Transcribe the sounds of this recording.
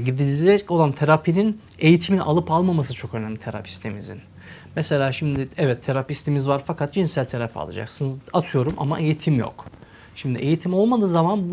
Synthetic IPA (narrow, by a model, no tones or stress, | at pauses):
ɟid̪ilʲid͡ʒɛco̞lˠant̪ʰeɾapʰinin | e̞jit̪ʰiminʔalˠɯpalˠmamas̬ɯt͡ʃʰo̞kø̞næmlʲit̪ʰeɾa̰pʰi̥st̪ʰimḭzḭn | mɛse̞lʲaːʃimd̪iɛvɛt̪ʰːeɾapist̪ʰimizvaɾfakʰat̪̚d͡ʒinsælʲt̪ʰeɾafa̰lˠa̰d͡ʒa̰ksɯnzat̪ʰɯjo̞ɾumʔa̰ma̰ʔe̞jit̪ʰimjo̰k | ʃimd̪iʔejit̪ʰimo̞lˠmad̪ɯːzamanbu